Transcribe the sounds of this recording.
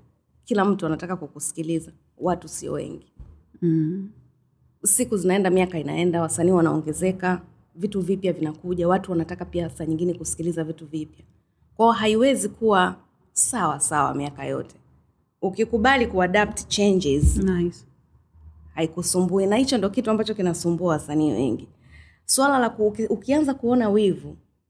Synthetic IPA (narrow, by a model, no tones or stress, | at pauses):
kilam̩tuanatakakukusi̥kiliza | watusiɔ̰wɛ̰ŋɡi | sikuzinaɛndamiakaina̰ɛndawasaniːwanaɔ̰ŋɡɛzɛka | vituvipjavinakuʄawatuwanatakapiasaɲiŋɡinɛkusi̥kilizavituvipja | kwaɔɦaiwɛzikuwa | sawasawa̰miaka̰jɔ̰tʰɛ̥ | ukikuɓalikuaɗap̚tt͡ʃɛnd͡ʒɛz | haikusumbuinahit͡ʃɔndiɔkituambat͡ʃɔkinasumbuawasaniːwɛ̰ŋɡi | swalalakuukianzakuɔnawivu